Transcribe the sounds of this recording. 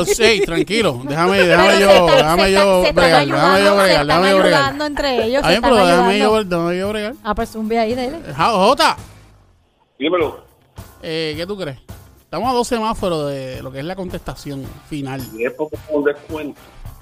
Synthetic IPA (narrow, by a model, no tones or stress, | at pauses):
sejt̪ɾaŋkilod̪e̞hameðehameʝod̪ehameʝobɾeɣald̪ehamejoβɾeɣad̪ehamejoβɾeɣalnd̪oent̪ɾeejoajemeɾoðehameʝoβeɾd̪ehamejoβɾeɣalapesumbiaiðejleɦahot̪a | imelo | eket̪ukɾeset̪amoaðo̞semãnapeɾoðelo̞keeslako̞nt̪est̪asjo̞ŋfinaliepokound̪ehkwẽnt̪o